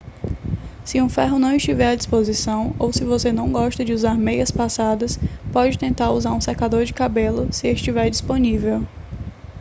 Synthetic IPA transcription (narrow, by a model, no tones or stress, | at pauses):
sɪũfɛɦʊnɐ̃w̃ɪʃt͡ʃivɛɾɐd͡ʒispozisɐ̃w̃owsɪvosenɐ̃w̃ɡɔʃt̪ɐd͡ʒɪuzaɾmejɐspasad̪ɐspɔd͡ʒɪt̪ẽnt̪aɾuzaɾũseɾkad̪oɾd͡ʒɪkabelʊsɪeʃt͡ʃivɛɾd͡ʒisponivew